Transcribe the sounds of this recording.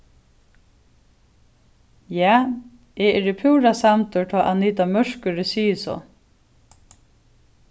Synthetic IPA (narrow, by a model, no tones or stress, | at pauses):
jaː | ɛɛɹɪpʰuːɹasamt̪ʊɹʈ̪ʰɔːʔaniːt̪amœɹ̥kʏɹɪsiːəsɔ̰ː